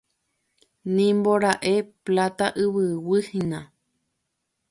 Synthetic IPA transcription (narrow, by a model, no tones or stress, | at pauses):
nĩmboɾaʔeplat̪aʔɨβɨwɨhĩnã